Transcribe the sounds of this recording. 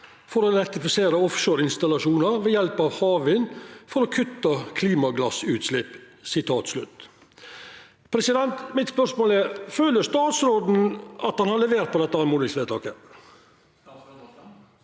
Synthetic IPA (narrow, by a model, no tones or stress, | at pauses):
fɔɾoːlɛɾt̪ɪfɪseːɾəɔfʃøːɾɪnst̪ɑlɑʂuːnəɾʋɛjɛlpɑʋhɑːʋɪnfɔɾoːkʰʉt̪ːəkʰliːmɑɡlɑsʉːt̪slɪpː | sɪt̪ʰɑːt̪slʉt̪ː | pʰɾɛsɪd̪ɛnt̪mɪt̪spœɾʂmoːlæɾføːləst̪ɑːt̪sɾoːd̪n̩ʔɑt̪hɑnhɑɾlɛʋeːɾt̪pɔd̪ɛt̪ːəɑmuːd̪ɪsʋeːt̪ʰɑ̰ːkə